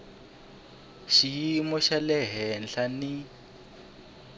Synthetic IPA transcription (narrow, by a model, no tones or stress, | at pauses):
ʃimɔʃalɛɦɛnɬani